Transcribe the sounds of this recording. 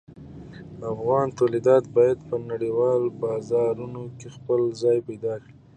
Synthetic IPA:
afɣɑnt̪alid̪ɑt̪bɑjad̪pənaɽiwɑlbɑzɑɾunokexpəlzɑjpajd̪ɑkɽi

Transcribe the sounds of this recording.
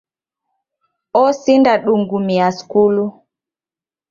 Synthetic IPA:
ɔsindaɗuŋɡumiaskulu

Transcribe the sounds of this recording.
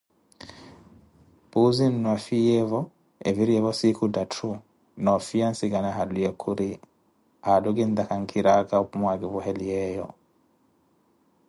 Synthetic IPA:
puzinːwafijɛvɔ | eviɾiɛvɔsikudatʰu | nɔfiansiɡanaɦadujɛkʰuɾi | aduɡind̪akaŋkʰiɾaɡaupmwaɡivuhɛlijɛjɔ̰

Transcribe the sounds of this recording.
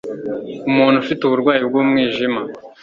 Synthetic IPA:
umuːn̤̥ufituβuɾɡwaːjib̚ɡuːmŋiːʒima

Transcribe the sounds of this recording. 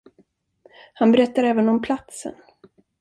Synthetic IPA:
hanbɛɾɛt̪ːaɾɛːvənɔmpʰlat̪sə̰n

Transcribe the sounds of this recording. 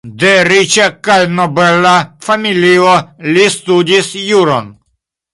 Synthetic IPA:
d̪eɾit͡ʃakajnobelafamiliolist̪udisjuɾo̰n

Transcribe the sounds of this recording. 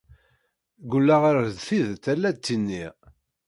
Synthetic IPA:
ɡulːaʁaɾd̪θiðt̪ːælːæt̪ːinːi

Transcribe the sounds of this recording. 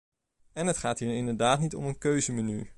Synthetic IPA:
ɛnɦətχaːtɦiːɹɪndəɹdaːtnitɔ̰mənkøɥzəməny̰

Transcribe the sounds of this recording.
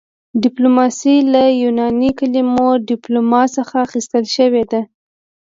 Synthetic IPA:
ɖɪplomɑsilajunɑnikalimoɖɪplomɑsəxaːxist̪əlʃəwed̪a

